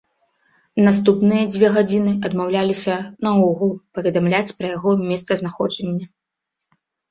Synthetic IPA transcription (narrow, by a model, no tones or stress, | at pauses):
nas̬t̪upnɨjɐd͡zʲvʲɛɣad͡zʲinɨɐd̪mawlʲalʲisʲɐnɐɔɣlˠpɐvʲɛd̪amlʲat͡sʲpɾɐjaɣɔmʲɛst̪sɐznaxɔd͡ʒɛnʲːɐ